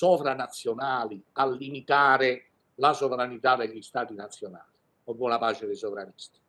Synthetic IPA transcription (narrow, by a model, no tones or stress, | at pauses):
sɔvɾanat̪sːjonaːlialːimit̪aːɾɪ | lasovɾanit̪ad̪ɛʎːist̪aːt̪inat̪sːjona̰ːli | ɔbːwɔnapaːt͡ʃɪd̪ɛsovɾanist̪i̥